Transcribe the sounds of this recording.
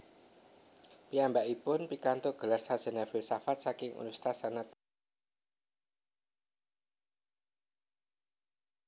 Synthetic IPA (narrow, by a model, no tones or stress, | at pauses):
piambaʔipʊnpikant̪oɡ̥ə̤larsad̥ʒ̥ə̤navɪlsafat̪̚sakɪŋṵnust̪asanat̪̚